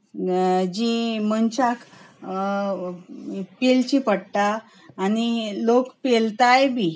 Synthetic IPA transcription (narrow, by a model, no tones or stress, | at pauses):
d͡ʑimənt͡ɕakʰ | pelt͡ɕipəɽt̪aː | nilokpelt̪ajbʱi